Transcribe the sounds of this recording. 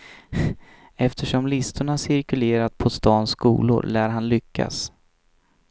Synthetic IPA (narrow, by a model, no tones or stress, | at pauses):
ɛft̪ʰəʂɔmlɪst̪ʰʊɳaʂɪɾkɵleːɾat̪̚pʰɔst̪ɑːnskṵːlʊ̰ɾlæːɾɦanlʏkʰːa̰s